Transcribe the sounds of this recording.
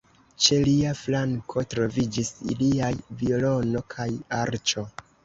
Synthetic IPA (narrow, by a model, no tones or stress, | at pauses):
t͡ʃe̞liaflaŋkʰo̞tɾo̞vid͡ʒisḭliajvio̞lo̞no̞kʰajaɾt͡ʃo̞